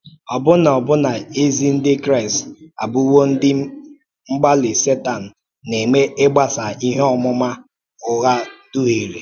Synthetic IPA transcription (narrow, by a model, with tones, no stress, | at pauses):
ɔ˨bʊ˦na˨ɔ˨bʊ˦na˨e˦zi˦n̩˦dɪ˦kɾa˦ɪ˨sa̰˨bʊ˦wo˦n̩˦dɪ˦ | ŋ͡m̩˦ɡ͡ba˦lɪ˨se˦ta˨n̩˨ | ne˨ŋ͡me˦e˦ɡ͡ba˦sa˨i˦ɦɔ˦˨mʊ˦ma˦ | ʊ˨ɣa˦d̥u˦ɦi˨ɾe˨